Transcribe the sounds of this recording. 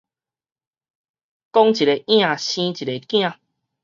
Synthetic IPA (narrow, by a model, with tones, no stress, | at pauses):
kɔ˦ŋt͡ɕi˨ɾe˨˦ʔj̃ã˦˧˨ɕĩ˦t͡ɕi˨ɾe˨˧˦kj̃ã˥˧˨